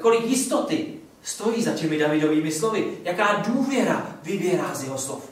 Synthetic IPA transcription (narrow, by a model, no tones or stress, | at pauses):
ko̞lɪkjɪst̪ot̪ɪ | st̪o̞jiːzacɛmɪdavɪdo̞viːmɪslo̞vɪjakaːduːvjɛɾa̰vɪbɪjɛɾaːzjɛɦoslo̰f